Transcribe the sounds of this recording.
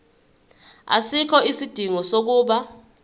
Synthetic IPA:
a̰sikʰɔisid̥ʱiŋɔsok̬uːɓa

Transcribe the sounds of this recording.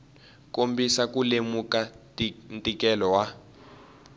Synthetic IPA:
kombisakulemuka | ntʼikɛlɔwa

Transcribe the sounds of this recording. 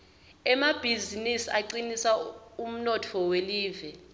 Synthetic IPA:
ɛmab̥ʱizinisiaǀinisaum̩nɔtʰɔweliːvɛ

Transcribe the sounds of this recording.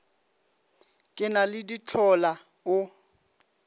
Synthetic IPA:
kʼɪnalɪdit͡ɬʰɔla | ʊ

